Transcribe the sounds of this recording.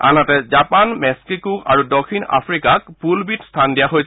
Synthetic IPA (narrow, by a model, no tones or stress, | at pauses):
a̰natɛzapanmɛskikuka̰ɹudɔkʰina̰pʰɹikak̚pulbitstʰandijaɦojs